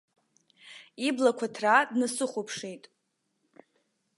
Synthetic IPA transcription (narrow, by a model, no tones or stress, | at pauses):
iblakʷʰatʰradnasɨχʷopʰʂejtʼ